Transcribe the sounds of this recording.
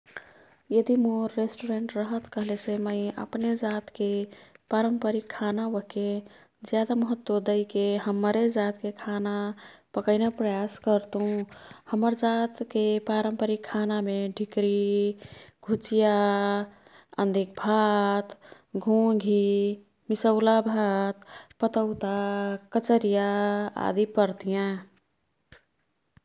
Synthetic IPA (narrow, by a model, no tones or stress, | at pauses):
jəd̪imoɾːesʈoɾeɳʈɾəɦət̪kəɦleseməɪə̰pned͡ʒat̪kepaɾəmpəɾikʰːanabəke | d͡ʒjad̪aməɦət̪ːwod̪əjkeɦəmːəɾed͡ʒat̪kekʰanapəkəɪnepɾəjaskəɾt̪ɦũhəməɾd͡ʒat̪kepaɾəmpəɾikʰːanameɖʱikɾi | ɡʱut͡ʃija | ə̰nd̪ʱik̚bʱat̪ | ɡʱõɡʱi | misəʊlabʱat̪pət̪əʊt̪akət͡ʃəɾijaa̰d̪ipəɾt̪ijã